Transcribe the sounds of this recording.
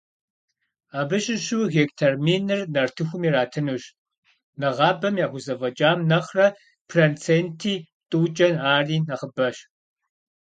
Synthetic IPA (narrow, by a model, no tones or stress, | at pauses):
aːbɨɕʼɪɕuwɣeːktʰɐrmiːnɨrnɐrtʰɨxʷʊmiːɾaːtʰɨnuɕ | nɐʁɑːbɐmjaːxʷʊzɐvɐd͡ʒʼaːmnɐχrɐ | pʰrent͡sʰeːntʰiː | tʼuːt͡ʃʼɐnaːriːnɐχəbɐɕ